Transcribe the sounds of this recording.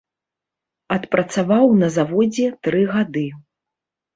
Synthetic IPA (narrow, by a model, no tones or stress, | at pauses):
ɐt̪pɾɐt̪savawnɐzavɔd͡zʲɛt̪ɾɨɣad̪ɨ